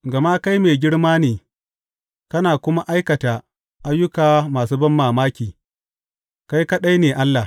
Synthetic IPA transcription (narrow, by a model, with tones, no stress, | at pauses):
ɡɐ˨ma˦ka˦jmeː˨ɡʲɪ˦ɽmaː˦neː˨ | kɐ˦naː˨kʷʊ˦ma˦ʔa˦jkɐ˨ta˨ | ʔa˦jːʊ˦kaː˨maː˨s̬uː˦bɐ˦mːaː˨maː˦kʲiː˨ | ka˦jka˦ɗa˦jneː˨ʔa˦lːa˨